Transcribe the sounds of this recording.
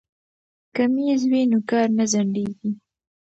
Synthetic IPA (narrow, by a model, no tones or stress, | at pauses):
kamizwinokɑɾnazaɳɖeɡi